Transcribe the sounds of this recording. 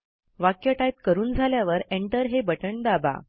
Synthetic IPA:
ʋakjəʈajt̪kəɾuːnd͡zʱaljaʋəɾeɳʈəɾɦebəʈəɳd̪aba̰

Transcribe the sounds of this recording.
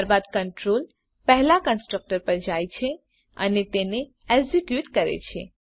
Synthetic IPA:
ɾbad̪kəɳʈɾol | pɛɦlakə̃nsʈɾək̚ʈəɾpəɾd͡ʒajt͡ʃʰe | ə̰net̪ene | eɡzikjuʈkəɾḛt͡ʃʰḛ

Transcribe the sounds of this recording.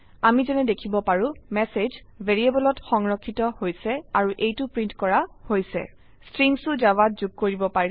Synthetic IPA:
amizɛnɛdekʰibɔpaɹũmɛsez | bʱeɹiebɔlɔtxɔŋɹɔkʰːitɔhojsɛaɹuʔejtʊpɹintkɔɹahojsɛ̰ | stɹiŋsʊzabat̚zuɡ̚koɹibɔpaɹ

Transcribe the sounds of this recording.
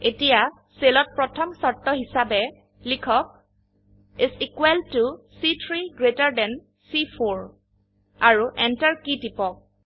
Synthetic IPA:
etija | selɔt̚pɹɔtʰɔmsɔɹtːɔɦisabɛ | likʰɔk̚ | isikwɛltusitʰɹiɡɹetaɹdɛn | sipʰoɹ | aɹuʔɛntaɹkitipɔk̚

